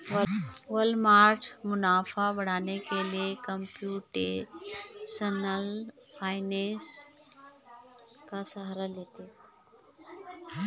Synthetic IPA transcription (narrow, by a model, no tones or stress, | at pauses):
ʋəlmaːɾʈʰmʊnaːfabɐɽ̤aːnekeliekəmpjuːʈe | sənəl | pʰaːɪnẽs | kasəɦaɾalet̪e